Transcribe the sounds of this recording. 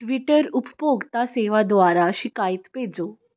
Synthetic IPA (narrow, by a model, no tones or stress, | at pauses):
ʈʋiʈəɾuppoɡt̪aseʋad̪ʋaɾaɕikait̪ped͡zo